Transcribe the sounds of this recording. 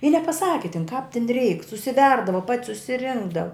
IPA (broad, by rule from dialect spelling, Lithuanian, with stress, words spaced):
ɪ nʲɛpɐˈsɑːkʲɪ tʲɪn kɑːp tʲɪn rʲɛɪk sʊsʲɪˈʋʲɛrdɐʋɐ pɐtʲ sʊsʲɪˈrʲɪŋɡdɐʋɐ